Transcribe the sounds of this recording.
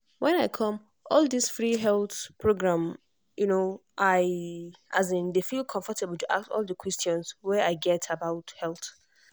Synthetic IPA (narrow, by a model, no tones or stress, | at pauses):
wɛ̃naɪkʰɔ̃m | ɔlˠdisfɹiɦɛlˠθpʰɹoɡɹãm | junoʔaɪʔazɪ̃ndefilˠkʰɔ̃ɱfɔtʰebəl̩ˠtuʔaktɔ̰lˠdəkwɛstjɔ̃nswɛaɪɡɛtʰabaʊthɛlˠθ